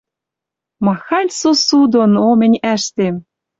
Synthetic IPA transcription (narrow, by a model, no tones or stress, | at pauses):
mɑxɑlʲsosud̪onomɘ̆nʲæʃt̪em